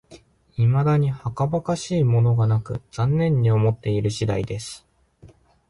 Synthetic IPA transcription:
imad̪aɲ̟ihakabakaɕiːmo̞no̞ɡanakɯ̟̰z̥ãnːẽ̞ɲ̟ːio̞mo̞t̪ːe̞iɾɯ̟ɕid̪a̰id̪e̞sɨ̥

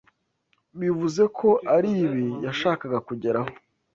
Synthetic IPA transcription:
βivuze̞kʰo̞ʔaɾiːβijaʃaːkaɡakuɟe̞ɾaho

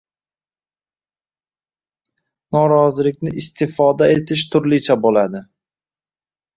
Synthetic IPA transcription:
nɒɾɒzɪlɪkʲnɪʔɪst̪ʰɪfɒd̪aet̪ʰɪʃt̪ʰʊɾlɪt͡ʃʰabolad̪ɪ

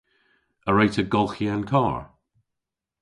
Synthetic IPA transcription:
əɹetʰəɡɔlˠxiankʰɑːɹ

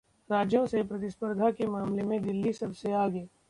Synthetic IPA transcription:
ɾaːd͡ʒjõsepɾɐt̪ɪspəɾd̪ʱakemaːmlemẽd̪ɪlːisɐbseaːɡeː

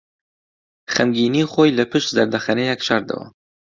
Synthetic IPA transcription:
xɛmɡiːniːxojlɨpʰɨʃt̪zɐɾd̪ɐxɛnejɛkʃɑɾd̪ɐ̰wa̰

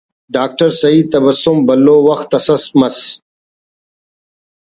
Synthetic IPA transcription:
ɖaːk̚ʈɐɾsɐit̪ɐbɐsombɐlːoːwɐxt̪ɐsɐsmɐs

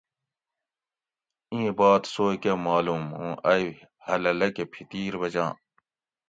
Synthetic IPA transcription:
ĩːbaːt̪soːkemaːluːmṵ̃ːʔɐj | hɐlɐlɐkepʰit̪iːɾbɐd͡ʑã̰ː

